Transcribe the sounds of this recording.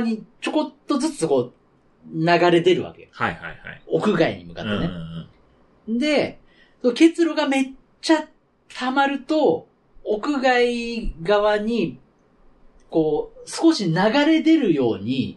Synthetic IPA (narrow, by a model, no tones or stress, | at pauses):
ɲ̟it͡ɕo̞ko̞t̪ːo̞zɨt͡sɨko̞ː | naɡaɾe̞d̪e̞ɾɯ̟βa̰ke̞johajha̰jha̰iokɯ̟ɡaḭɲ̟ḭmɯ̟ka̰t̪ːen | d̪e̞ | soke̞t͡sɨɾo̞ɡame̞ | t͡ɕːa | t̪ʰamaɾɯ̟t̪o̞ː | kɯ̟ɡaiɡaβaɲ̟i | ko̞ːsɨ̥ko̞ɕinaɡaɾe̞d̪e̞ɾɯ̟jo̞ːɲ̟i